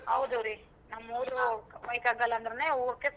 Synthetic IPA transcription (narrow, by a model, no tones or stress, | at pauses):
ɦɐ̰wd̪ɐɾi | nɐmːuːɾumɐjkaːɡɐlːɐːnd̪ɐɾeneːoːɾkes